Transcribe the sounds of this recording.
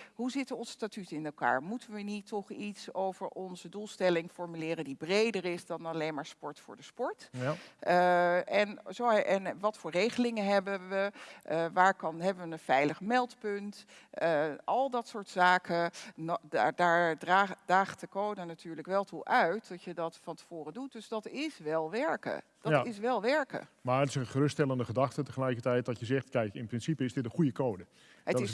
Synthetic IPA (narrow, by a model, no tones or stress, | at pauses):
ɦuzɪtəɔnsːtatytɪnɛlˠka̰ːɹmutənʋənitːɔχitsowvəɹʔɔnzədulˠstɛlɪŋfɔɹmylɪːɾəndibrejdəɹɪsdɑnɑlejnmaːɹspɔɹtfʊ̰ːɹdəspɔɹt | ɛnzoɛnʋɑtfʊːɹrejχəlɪŋəɦɛbəʋəʋaːɹkɑnɦɛbəʋənəfɛjləχmɛlˠtpɵntəʔɑlˠdɑtsʊːɹtsaːkʰəndaːɹdraːd̥aːχtdəkowdənatʰyːɹləkʋɛlˠtʰuʔœɥtdɔtjədɑtfɑntə̥v̥oːrədut̚d̥øsdɑtɪsʋɛlˠʋɛɹkə̰ | d̥ɔɪs̬ʋɛlˠʋɛɹkə̰maːətɪsənχərʏstɛlˠəndəχədɑχtətəχəlɛjkətɛjt̚dɔtjəzɛχtkɛjkɪnprɪnsipəɪsdɪtə̃χujəkowdə | ədtɪs